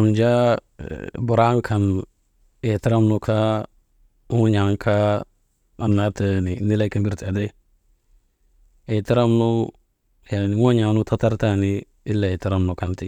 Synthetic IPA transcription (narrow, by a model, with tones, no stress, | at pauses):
nd͡ʒa˦ | bʊ˨ɾa˦m˦kʰa˨n | e˨ta˦ɾa˦mnu˨ka˦ | ŋo˦ɲa˨ŋkʰa˦ | a˨nːa˦tə˦ni˨ni˦la˦ki˦bi˦ɾti˨a˨de˦ | e˨ta˦ɾa˦mnu˦ | ja˨nɪ˨ŋo˦ɲa˨nu˦ta˦ta˦ɾta˦niː˦ | lːa˨e˨ta˦ɾa˦mnu˨ka˨nti˨